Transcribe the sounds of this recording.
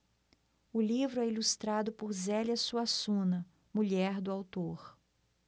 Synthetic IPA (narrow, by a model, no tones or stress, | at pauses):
ʊlivɾʊɛilust̪ɾad̪ʊpʊɾzɛliɐsuasũnɐ | muʎɛɾd̪ʊawt̪oɾ